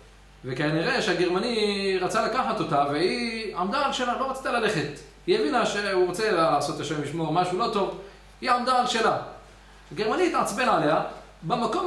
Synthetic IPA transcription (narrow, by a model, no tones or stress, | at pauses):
vekaniʁe̞ʃeaɡe̞ʁmaniʁat͡salakaħat̪o̞t̪aveiʕamd̪aalʃelalo̞ʁat͡si̥t̪alale̞χe̞t̪ | hievinaʃeuʁot͡se̞laːso̞t̪aʃemliʃmo̞ʁmaʃulo̞t̪o̞v | hiamd̪aːlʃela | aɡe̞ʁmaniːt̪ʕat͡sbenʕale̞a | bemako